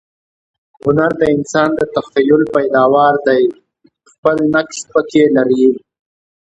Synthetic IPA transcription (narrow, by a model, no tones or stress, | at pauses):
hʊnaɾd̪əɪnsɑːnd̪ət̪axajʊlpajd̪ɑwɑːɾd̪aj | xpəlnakʃpəkelaɾi